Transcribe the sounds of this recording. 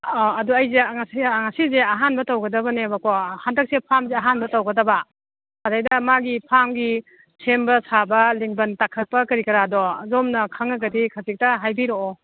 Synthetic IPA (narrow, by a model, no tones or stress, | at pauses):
ɐduajzeŋasiŋasizeɐɦanbɐtawɡɐdɐbɐnebɐkohandɐk̚sepʰamzeaɦanbɐtawɡɐdɐbɐ | hadajdɐmaɡipʰamɡi | sʰembɐsabɐliŋbɐntakʰɐt̚pɐkɐɾikɐɾadɔzomnɐkʰaŋɐɡɐdikʰazik̚tɐɦajbiɾoɔ